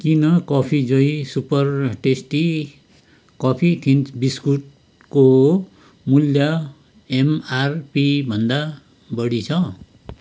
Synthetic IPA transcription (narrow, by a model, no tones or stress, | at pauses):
kinʌkʌpʰid͡zʌjsupʌrʈesʈi | kʌpʰitʰint͡sbiskuʈ̚ | ko | muljʌ | emarpibʱʌnd̪a | bʌɽit͡sʰʌ